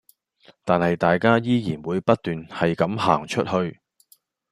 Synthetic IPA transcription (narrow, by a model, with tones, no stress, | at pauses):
t̪aː˨nhɐ˨jt̪aː˨jkaː˥jiː˥jiː˨˩nwuː˨˧jpɐ˥t̚t̪yː˨nhɐ˨jkɐ˨˥mha̰ː˨˩ŋt͡ʃʰɵ˥t̚hɵ˧ɥ